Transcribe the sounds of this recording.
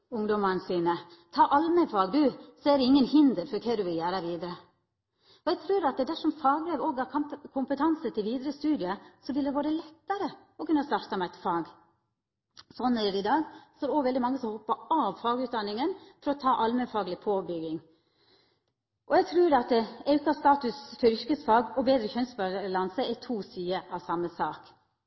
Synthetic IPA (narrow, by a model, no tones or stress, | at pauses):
ʊŋd̪ɔmɑɾnsiːnə | t̪ʰɑːʔɑlməfɑːɡd̪ʉsɔæd̪ɛɪŋːənhɪnd̪əɾfɔɾkʰed̪ʉʋɪljæːɾəʋiːd̪əɾə | ɔɛɡt̪ʰɾʉːɾɑt̪̚d̪ɛd̪æʂɔmfɑːɡbɾeːʋoːɡhɑɾʰkʰʊmpət̪ʰɑnsət̪ʰɪlʋiːd̪ɾəst̪ʉːd̪ɪəsɔʋɪld̪ɛʋoːɾəlɛt̪ːəɾə | ɔkʉnːəst̪ɑɾt̪ɑmæɪt̪fɑːɡ | sɔnːæːdɛɪd̪ɑːɡsɔːd̪oːɡʋɛld̪ɪmɑŋːəsɔmhɔpːəɑʋfɑːɡʉːt̪̚d̪ɑnːɪŋənfʰɔɾɔt̪ʰɑːʔɑlmənfɑːɡlɪpʰoːbʏɡɪŋ | ʔɔæɪɡt̪ʰɾʉːɾɑt̪̚ɛɑʉkɑst̪ɑːt̪ʉsfœɾʏɾkəsfɑːɡɔbeːd̪ɾəçœnsbɑlɑnsəɛt̪ʰuːsyːəʔɑʋsɑmːəsɑːk